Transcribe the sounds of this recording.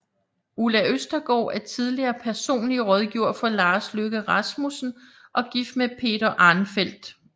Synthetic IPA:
ulæʔøsd̥ɐɡ̥ɒ̰ːæɐt͡sʰið̞ˠliɐːpʰæɐso̝̰ːnliəʁɒð̞ˠɡ̥iʊ̰ɐfɒ̽lɑ̈ːsløɡ̥əʁɑ̈smusn̩ʔɒ̽ɡ̥ifd̥mepʰe̝̰ːd̥ɐʔɑ̈ːnfel̰d̥

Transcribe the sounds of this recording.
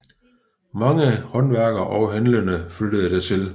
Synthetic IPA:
mɑ̈ŋəhɒ̽nʋæɐ̰ɡ̥ɐʔɒʊɦænlənəfyd̥əðˠəd̥æɐt͡sʰe̝l

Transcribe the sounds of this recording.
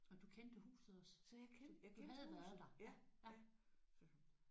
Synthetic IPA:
ɒ̽d̥ukʰend̥əhṵːsð̩ˠɒssɒjakʰakʰehːs̩ˠd̥ɑææs

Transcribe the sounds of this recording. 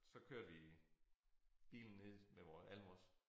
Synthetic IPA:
sɒ̽kʰøɐ̰d̥ʋi | b̥ḭːln̩ːe̝ð̞̰ˠmeʋɒːsælmɒs

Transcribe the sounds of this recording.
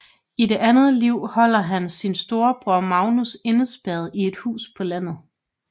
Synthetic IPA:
ide̝ʔænð̩ˠliʊ̰hɒ̽l̰ɐɦænsinsd̥o̝ːɐb̥ʁɔɐmɑ̈ʊnuse̝nəsb̥ɛð̞ˠie̝d̥hṵːspʰɒ̽læn̰ð̞̩ˠ

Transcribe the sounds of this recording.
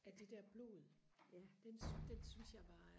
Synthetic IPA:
æd̥e̝d̥æɐ̰b̥lo̝̰ːð̩ˠ | æd̥end̥ensynsjɑ̈ɪb̥ɑ̈ː

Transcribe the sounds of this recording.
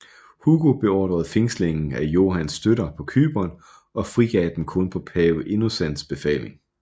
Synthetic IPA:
huɡ̥o̝b̥e̝ɒːd̥ʁɐð̞̩ˠfe̝ŋsle̝ŋn̩æjo̝̰ːɦænsd̥øɾɐpʰɒ̽kʰy̰ːb̥ɐn | ʔɒ̽fʁiɡ̥ɛːd̥emkʰɔ̽npʰɒ̽pʰɛːʊəʔe̝nosæn̰sb̥e̝fɛ̰ːle̝ŋ

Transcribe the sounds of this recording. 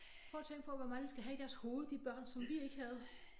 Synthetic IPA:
fʰʁɒ̰ːt͡sʰeŋ̰ɡ̥̚pʰɒ̽ʋɒmɑ̈ŋəsɡ̥æɦæɾ̥æɐshoːð̞̩ˠd̥ib̥ɶɐ̰nsɒ̽mʋie̝ɡ̥əhæð̞̩ˠ

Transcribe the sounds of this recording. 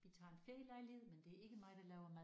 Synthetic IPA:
ʋit͡sʰɑ̰̈ːe̝nfelɑ̈ɪlihe̝ð̰ˠmend̥e̝æɐe̝ɡ̥əmɑ̈ɪd̥ɑlɛːʊɐmæ

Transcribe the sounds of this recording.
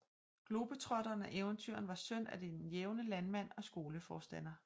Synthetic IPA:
ɡ̥lo̝b̥ət͡sʰʁɒd̥ɐːnæʔeːʊnt͡sʰyɐ̰nʋɑ̈sœn̰æd̥e̝nnjeʊnəlænmæn̰ɒ̽sɡ̥o̝ːləfɒːsd̥æn̰ɐ

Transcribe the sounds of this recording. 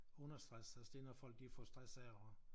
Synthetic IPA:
ɔ̽nɐsd̥ʁasæsd̥e̝nɒfɒ̽l̰ɡ̥̚difɒ̰sd̥ʁasɛʊɐ

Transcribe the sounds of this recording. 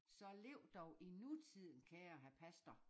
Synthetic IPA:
sɒ̽le̝ʊ̰d̥ɒʊʔinut͡sʰið̰ˠn̩kʰæjæɦæpʰæsd̥ɐ

